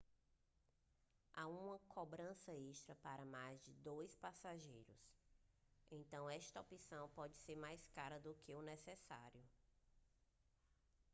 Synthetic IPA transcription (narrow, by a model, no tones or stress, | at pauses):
aũmɐkʰobɾɐ̃sɐeʃt̪ɾɐpaɾɐmajzd͡ʒɪd̪ojspasaʒejɾʊ̰s | ẽt̪ɐ̃w̃ɛʃt̪ɐopisɐ̃w̃pɔd͡ʒɪseɾmajskaɾɐd̪ʊkɪʊnɛsɛsa̰ɾjʊ